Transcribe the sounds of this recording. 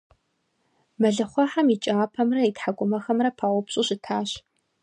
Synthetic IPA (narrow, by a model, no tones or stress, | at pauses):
mɐɮɐχʷɑħamit͡ʃʼaːpʰɐmrɐitħaɡʷʼʊmɐxɐmrɐpʰaʁʷʊpɕʼʊɕɪtʰaːɕ